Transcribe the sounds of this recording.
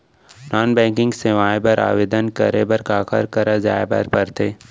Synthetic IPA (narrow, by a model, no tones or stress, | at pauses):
naːnbɛ̃ːkɪ̃ŋɡseʋaːebɐɾa̰ːʋeːd̪ənkɐ̰ɾebɐɾkaːkə̰ɾkɐɾad͡ʒa̰ːebɐ̰ɾpɐɾt̪ʰeː